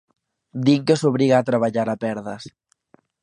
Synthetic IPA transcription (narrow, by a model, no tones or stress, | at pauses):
d̪iŋkesoβ̞ɾiɣaːt̪ɾaβaʎaɾapɛɾðɐs